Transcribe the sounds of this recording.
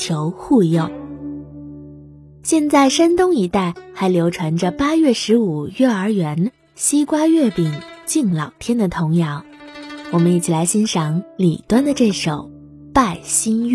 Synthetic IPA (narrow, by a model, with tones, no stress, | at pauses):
jo˧˥ʊxu˥˧jo˥˩ʊ | ɕjɛ˥˧nt͡sa˥˩ɪʂa˥nt̪ʊ˥ŋi˧˥t̪a˥˩ɪxa˧˥ɪljo˧˥ʊʈ͡ʂʰwa˧˥nʈ͡ʂə˧pa˥ɥɛ˥˩ʂɻ̩˧˥u˨˩ɥɛ˥˩ə˞˧˥ɥɛ˧˥n | ɕi˥kwa˥ɥɛ˥˩pi˨˩ŋt͡ɕi˥˩ŋlɑ˨˩ʊt̪ʰjɛ˥nd̪ə˨t̪ʰʊ˧˥ŋjɑ˧˥ʊ | wɔ˨˩mə˦ni˧˩t͡ɕʰi˨˩la˧˥ɪɕi˥nʂɑ˧˥ŋlḭ˨˩t̪wa˥nd̪ə˨ʈ͡ʂɤ˥˩ʂo˨˩˦ʊ | pa˥˩ɪɕi˥n˥˩